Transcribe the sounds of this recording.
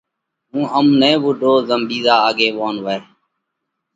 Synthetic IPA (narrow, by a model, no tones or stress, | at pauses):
ɦũːɦəmnẽːʋʊɖʱoːzəmɓiːzaːaːɠeːʋoːnʋə